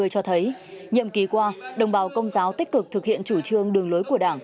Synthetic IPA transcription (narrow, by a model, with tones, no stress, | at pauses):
əjt͡ɕɔ˧t̪ʰə˨˦jɲḭ˧˨əmki˨˦kwaː˧ɗə˧˩wŋ͡mɓaː˨˦wkə˧wŋ͡mzaː˨˦wt̪i˦˥k̟̚kɨ˨˩k̚t̪ʰɨ˨˩k̚hḭ˧˨ənt͡ɕu˧˩t͡ɕɨ˧əŋɗɨ˨˩əŋlo˨˦jku˧˩əɗaː˧˩ŋ